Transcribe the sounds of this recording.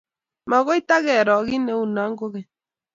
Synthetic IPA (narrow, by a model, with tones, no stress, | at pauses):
ma˨ɣɔ˦it̪a˦ɣɛ˨ɾɔ˨ɣi˦nɛ˦u˨na˨˦ŋɡo˦ɣɛ˨